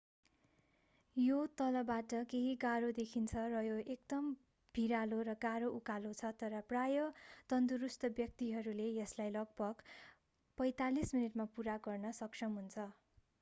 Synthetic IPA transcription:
jot̪ʌlʌbaʈʌkeɦiɡaɾod̪ekʰint͡sʰʌrʌjoek̚d̪ʌm | bʱiɾaloɾʌɡaɾoʔukalot͡sʰʌt̪ʌɾʌprajʌt̪ʌnd̪uɾust̪ʌbjʌk̚t̪iɦʌɾulejʌslajlʌɡ̚bʌɡ | pʌjt̪alisminiʈmapuɾaɡʌrnʌsʌksʰʌmɦunt͡sʰʌ

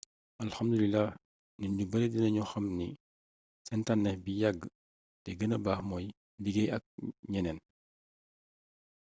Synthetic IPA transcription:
ʔɐlxɐmdulilːah | niubɐɾɛdinɐɲuxɐmni | sɛntanːɛbijɐɡː | tɛɡənɐbaːxmɔːj | diɡɛjɐk̚ɲɛnɛn

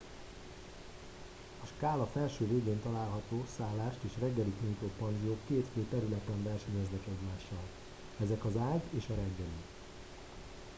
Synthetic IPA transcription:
ɒʃkaːlɒfɛlʃøːveːɡeːnt̪ɒlaːlɦɒt̪oːsaːlːaːʃt̪eːʃrɛɡːɛlikujt̪oːpɒnzijoːkːeːt̪feːt̪ɛɾylɛt̪ɛɱvɛrʃɛɲɛznɛkɛɟmaːʃːɒl | ɛzɛkɒzaːɟeːʃɒɾɛɡːɛli

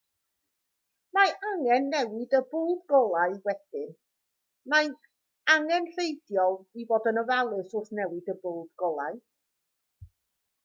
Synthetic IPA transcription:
maʔaŋɛnːɛwɪdəbʊːlˠdɡɔlˠaɨwɛd̥ɪn | maj | aŋɛnɬejdjɔlˠiboːdənəvalˠɨsʊrθnɛwɪdəbʊlˠdɡ̥ɔlˠa̰ɨ

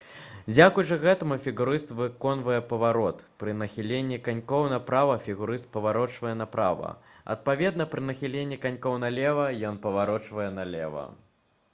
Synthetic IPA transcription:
d͡zʲakujt͡ʂɐɣɛt̪ɐmufʲiɣuɾɨst̪vɨkɔnvɐjɛpɐvaɾɔt̪pɾɨnɐxʲilʲenʲːikanʲkɔwnɐpɾavɐfʲiɣuɾɨst̪̚pɐvaɾɔt͡ʂvɐjɛnɐpɾa̰vɐ̰ɐ̰t̪̚pavʲɛd̪nɐpɾɨnɐxʲilʲenʲːikanʲkɔwnɐlʲɛvɐjɔnpɐvaɾɔt͡ʂvɐjɛnɐlʲɛ̰vɐ̰

